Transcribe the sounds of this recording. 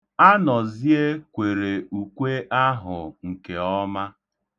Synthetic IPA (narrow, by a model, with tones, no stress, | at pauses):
a˦nɔ˨zi˦e˦kʷe˨ɾe˨u˨kʷe˦ʔa˦ɦʊ˨ŋ̩˨ke˨ɔ˦ma˦